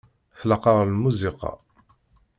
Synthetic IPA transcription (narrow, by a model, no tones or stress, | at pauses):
θlɑqɑɾˤlmuziqɑ̰